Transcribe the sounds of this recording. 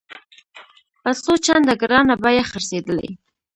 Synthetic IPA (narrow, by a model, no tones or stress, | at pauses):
pasot͡ʃand̪aɡɾɑnabajaxəɾsed̪əla̰j